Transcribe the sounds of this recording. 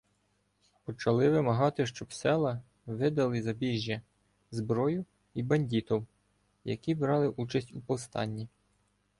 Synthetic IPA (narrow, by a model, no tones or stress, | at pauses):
pɔt͡ʃɐlˠɪʋɪmɐɦɑt̪ɪʃt͡ʃɔbsɛlˠɐ | ʋɪd̪ɐlˠɪzɐbʲiʒʲːɐ | zbɾɔjʊ | ibɐnʲdʲit̪ɔw | jɐ̰kʲibɾɑlˠɪʔut͡ʃɐsʲtʲupɔwst̪ɑ̰nʲːi